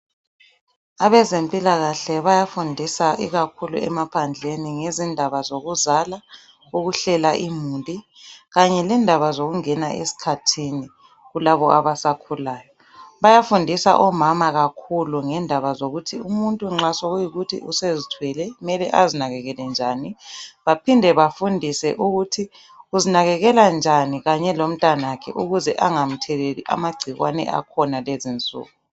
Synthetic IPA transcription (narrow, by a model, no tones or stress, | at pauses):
aβɛzempʼilaɣaɬɛβajafundʱisaʔiɣakʰulṵɛ̰mapʰand͡ɮʱeniŋezindʱaβazoɣuzala | uɣuɬɛlaʔimuntʼi | ɣaɲɛlɛndʱaβazoɣuŋɛnaʔḛsi̥kʰatʰini | ɣulaβɔʔaβasakʰulaːjɔ | βajafundʱisa̰ʔɔmamaɣakʰuluŋɛndʱaβazoɣutʰiumuntʼuŋ͡ǁasoɣujiɣutʰḭusezitʰwɛlɛumɛlɛʔazinaɣɛɣɛlɛnd͡ʒʱaːniβapʰindʱɛβafundʱisɛ̰ʔuɣutʰi | uzinaɣɛɣɛland͡ʒʱaniɣaɲɛlom̩tʼanakʰɛ̰ʔuɣuzɛʔaŋam̩tʰɛleliʔa̰maɡ͡ǀʱiɣwanɛ̰ʔa̰kʰɔnalezint͡sʼṵːɣu